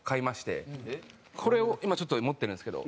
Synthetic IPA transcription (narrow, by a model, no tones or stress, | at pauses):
kaimaɕi̥t̪e̞̰ | kʰo̞ɾe̞o̞ʔimat͡ɕo̞t̪ːomo̞t̪ːeɾɯ̟̃nsɨ̥ke̞d̪o̰